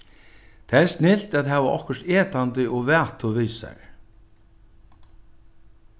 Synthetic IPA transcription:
t̪ʰaɛɾst̪nɪl̥t̪aðɦɛːʋaʔɔ̰hkʏʂt̪eːt̪ant̪ɪɔɣvɛːt̪ʰʊviːsa̰ɾ

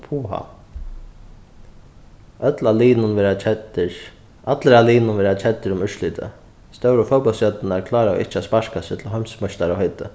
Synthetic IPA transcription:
pʰuːɦa̰ | œt̪laliːnʊnvɛɾaɛt̪ɪɹ | ʔat̪lɪɾaliːnʊnvɛːɾat͡ʃʰɛt̪ːɪɾʊmʏʂliːt̪ʰɪ̰ | st̪œwɾəfɔwpɔlsjœt̪ːɪnaɾkʰlaːɾaɔ̰ʔɪ̰ht͡ʃːɪaspaɹkasɪt̪ʰɪlɦœmsmɔʃt̪aɾawhœt̪ɪ

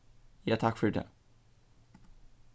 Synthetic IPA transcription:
jat̪ʰakːfœɖɛ̰

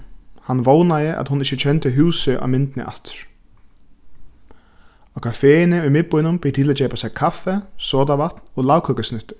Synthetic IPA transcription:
hanːvoːwnajɪʔa̰ðhʊnɪht͡ɕːɪt͡ɕʰɛnt̪ɪɦuːsɪʔa̰wmɪnt̪ɪnɪ̰ʔa̰t̪ɾ̥ | ɔkʰafeːɪnɪʊjmɪt̪̚pʊjnʊmpɪɾt̪ʰilat̪t͡ɕɛːpasɛjkʰafːɛsɔːt̪avaht̪nɔɣlawkʰœːkasnʏht̪ɪ̥

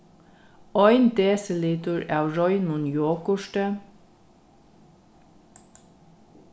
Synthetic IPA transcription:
ɔʏnd̪eːsəliːt̪ʊɹæːwɹɔʏnmʊnjoːkʊʃʈə

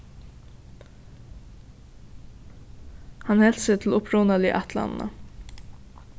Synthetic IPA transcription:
hɑnhɛlsət̪ʰl̩ʊpʰɾuːnɑlḭːʔɑt̪ʰlɑ̰nn̩ə̰

